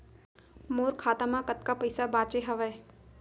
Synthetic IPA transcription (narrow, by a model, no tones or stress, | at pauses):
moːɾkʰaːt̪amãkət̪kapəɪsabaːt͡ʃeɦəʋeː